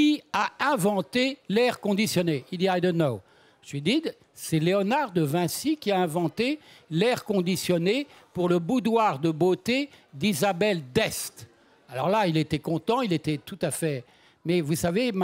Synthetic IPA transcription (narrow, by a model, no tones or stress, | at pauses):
iaɛ̃vɑ̃t̪elɛʁkɔ̃d̪isjɔneild̪iajd̪ɔ̃nːo | ʒid̪i | sɛleɔnaʁd̪əvɛ̃sikʲiaɛ̃vɑ̃t̪elɛʁkɔ̃d̪isjɔnepuʁləbud̪waʁd̪əbot̪ed̪izabɛld̪ɛst̪ | alɔ̰ʁlailet̪ɛkɔ̃t̪ɑ̃ilet̪ɛt̪ut̪afɛ | mɛvusavem